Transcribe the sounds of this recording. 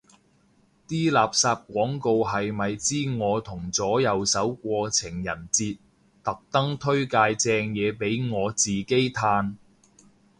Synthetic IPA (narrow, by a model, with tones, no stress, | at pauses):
t̪iː˥laː˨p̚saː˧p̚kʷwɔː˨˥ŋko˧wɦɐ˨jmɐ˨jt͡siː˥ŋɔː˨˧t̪ʰʊ˨˩ŋt͡sɔː˨˥jɐ˨˧wsɐ˨˥wkʷɔː˧t͡sʰɪ˨˩ŋjɐ̰˨˩nt͡siː˧t̚ | t̪ɐ˨k̚t̪ɐ˥ŋt̪ʰɵ˥ɥkaː˧jt͡sɛː˧ŋjɛː˨˧pe˨˥jŋɔː˨˧t͡siː˨˩ke˥jt̪ʰaː˧n